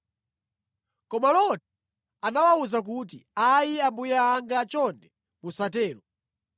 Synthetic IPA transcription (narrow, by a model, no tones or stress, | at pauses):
kɔmalɔtɛ | anawauzak̬ut̬iajiambujaːŋɡat͡ʃɔndɛ | musatɛːlɔ